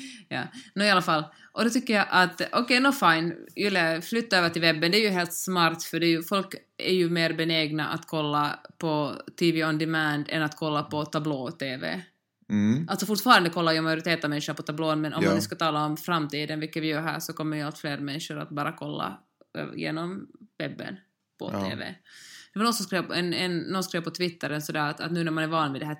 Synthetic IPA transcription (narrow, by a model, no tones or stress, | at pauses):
jɑ̰ːnoɪalːafalː | ʔɔd̪ɔt̪ʏkːəjaʔat̪ɔkɛjnɔfaɪnvɪlːaflʏt̪ːaøːvəʈɪlvɛbːɛnd̪ɛæɾjʉɦeːlt̪smɑɾt̪fœɖɛːjʉfɔlk | æ̰ɾjʉmeːɾbɛneːɡna̰ʔa̰t̪kʰɔlːapʰɔt̪ʰiːviɔnd̪ɪmæːnd̪ɛ̰nat̪kʰɔlːapʰɔt̪ʰabloːt̪ʰeːvḛː | ʔalt̪sɔfʊɾʈfɑːɾand̪əkʰɔlːajmajʊɾɪt̪ʰeːt̪avmɛnʂʊnapʰɔt̪ʰabloːnmɛnʔɔ̰mːanʉskat̪ʰɑːlaɔmfɾamːt̪ʰiːd̪ənvɪlkːat̪vɪjœːɾɦæ̰ːʂɔkʰɔmːəɾjʉalt̪fleːɾmɛnːʂʊɾa̰t̪̚bɑːɾakʰɔlːa̰ | jḛːnɔmvɛbːə̰n | pʰɔ̰t̪ʰḛːvḛd̪̥ɛvɪlɔnsɔmskɾeːvpɔɛnɛnːɔnskɾeːvpʰɔt̪ʰvɪt̪ːəɾənsɔd̪æːɾat̪a̰t̪nʉːnæɾmanæɾvɑːnmɪd̪ɛhæː